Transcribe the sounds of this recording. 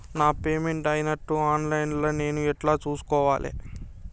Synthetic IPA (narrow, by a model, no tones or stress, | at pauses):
naːpe̞ːmeɳʈɐjinɐʈːuaːnlɐjnloːne̞ːnuɛʈlaːt͡ʃuːsu̥kɔːʋaːlʔḛ